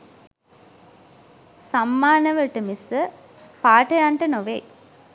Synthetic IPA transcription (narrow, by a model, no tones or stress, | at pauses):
samːaːnəʋəʈəmisə | paːʈəjaɳʈənoʋej